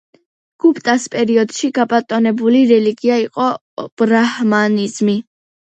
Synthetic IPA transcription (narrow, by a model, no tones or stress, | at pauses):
ɡ̥upʼt̪ʼaspʼɛɾiɔd̪̥ʃiɡapʼat̪ʼɔnɛbuliɾɛliɡiaiqʼɔ | b̥ɾahmanizmi